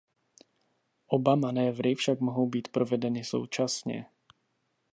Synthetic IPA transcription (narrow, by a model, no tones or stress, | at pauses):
ʔobamanɛːvɾɪfʃakmo̞ɦo̞wbiːt̪pɾo̞vɛdɛnɪso̞̰wt͡ʃasɲɛ̰